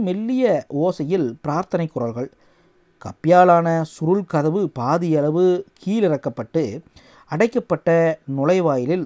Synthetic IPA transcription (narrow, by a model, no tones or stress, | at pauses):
mɛlːɪjɐʔoːsɐjɪlpɪɾaːɾt̪ɐnɐɪkːʊɾɐlɣɐɭ | kɐpːɪjaːlaːnɐsʊɾɯɭkɐðɐʋɯpaːðɪjɐlɐʋɯkʰiːlɪɾɐkːɐpːɐʈːɯ | ɐɽɐɪkːɐpːɐʈːɐnʊlɐɪʋaːjɪlɪl